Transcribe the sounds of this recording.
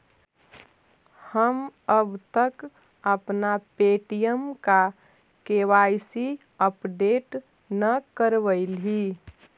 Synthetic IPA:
həməbt̪ək | əpnapeʈijəmka | keʋaɪsi | əpɖeːʈ | nəkəɾʋəɪli

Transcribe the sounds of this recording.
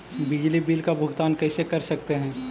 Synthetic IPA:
bɪd͡ʒlibiːlkabʱʊɡt̪aːnkɛːsekɐɾsɐk̚t̪eɦɛ̃ː

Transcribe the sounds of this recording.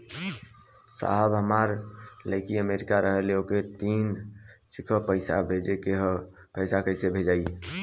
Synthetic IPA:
sa̰ɦəbɦəmaɾləɪkiəmeɾikaɾəɦəleoket̪int͡ʃikʰəpəɪsa̰bʱed͡ʒekeɦ | pəsakəɪsebʱed͡ʒaːi

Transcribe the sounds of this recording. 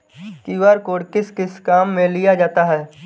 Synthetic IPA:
kiʋaːɾkoːɽkɪskɪskaːmːẽlɪjad͡ʒaːt̪aɦɛː

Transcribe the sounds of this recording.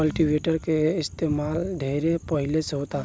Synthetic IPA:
əlʈiʋeːʈəɾkeɪst̪eːmaːlɖʱeːɾepəɦɪlesɦoːt̪aː

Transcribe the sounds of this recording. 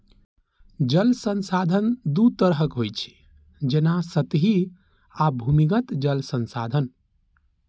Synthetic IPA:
d͡ʒəlsənsad̪ʱənd̪ut̪əɾɦəkɦojt͡ʃʰi̥ | d͡ʒenasət̪ɦi | abʱumiɡət̪d͡ʒəlsənsad̪ʱən

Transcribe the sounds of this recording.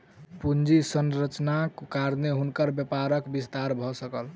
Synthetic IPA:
pund͡ʒisənɾət͡ʃnakːaɾneɦunkəɾbjəpaɾəkbist̪aɾbʱɔsəkəl

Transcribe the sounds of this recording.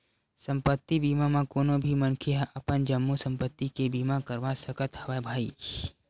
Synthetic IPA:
sə̃mpət̪ːibiːmamãkoːnõbʱimənkʰeɦɛ̃ʔɐpənd͡ʒəmːusə̃mpət̪ːikebiːmakəɾʋasəkət̪hɐʋebʱaːḭ

